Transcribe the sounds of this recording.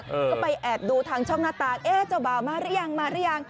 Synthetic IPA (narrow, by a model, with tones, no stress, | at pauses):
pa˧jʔɛː˨˩t̪̚duː˧t̪ʰaː˧ŋt͡ɕʰɔː˥˩ŋnaː˥˩t̪aː˧ŋʔeː˧˥t͡ɕa˧˩wbaː˨˩wmaː˧ɾa˦˥˩jaː˧ŋmaː˧ɾa˦˥˩jaː˧ŋ